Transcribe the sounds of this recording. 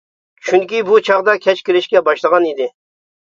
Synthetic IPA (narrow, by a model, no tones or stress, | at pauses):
t͡ʃʰyŋkʲibut͡ʃʰɑʁd̪ɑkʲʰɛt͡ʃkʲiɾɪʃkʲɛbɑʃlˠəʁɑnid̪ɪ